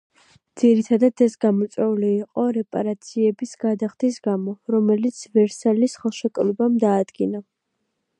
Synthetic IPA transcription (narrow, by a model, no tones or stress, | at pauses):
d̪z̥iɾit̪ʰad̪ad̪ɛsɡamɔt̪sʼwɛuliːqʼɔɾɛpʼa̰ɾat̪sʰiɛbisɡad̪aχd̪isɡamɔɾɔmɛlit̪sʰvɛɾsalisχɛlˠʃɛkʼɾɔbamd̪aːd̪ɡina